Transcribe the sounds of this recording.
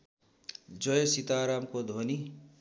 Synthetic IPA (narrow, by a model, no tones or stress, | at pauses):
d͡zʌjʌsit̪aɾamkod̪ʱoni